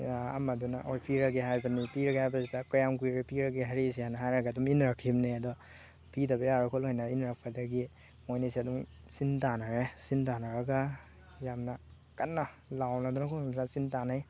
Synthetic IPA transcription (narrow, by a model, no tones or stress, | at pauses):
ɐ̰mɐdunaʔojpʰiɾɐɡiɦajbɐnipiɾɐɡhajbɐsidɐkajamkuɾipiɾɐɡiɦɐɾis̬ianɐɦajɾɐɡaːduminɾakʰimneɐdɔ | pidɐbɐjaɾakʰolojnɐinɾak̚pʰɐdɐɡi | mojnisiɐduŋ | sintanaɾesintanɐɾɐɡa | jamnɐ | kɐnːɐ | lawnadunakʰɔdnasintanaj